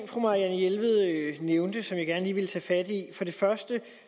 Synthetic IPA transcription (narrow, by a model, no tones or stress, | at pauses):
ŋ̰fʁɔmɑ̈jænjelʋð̞̩ˠøneʊnd̥əsɒ̽mjɑ̈ɡ̥æɐnəliːʋe̝lt͡sʰɛ̰ːfæd̥ifɒ̽ɾe̝fɶɐsd̥ə